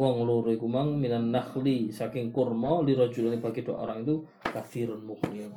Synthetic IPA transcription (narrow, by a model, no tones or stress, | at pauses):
wɔŋluɾuikumaŋminanːaxlisakɪŋkurmɔliɾɔ̥d͡ʒulanib̥aɡid̥ua̰ʔo̰ɾaŋit̪u | kaθiɾanmuxnia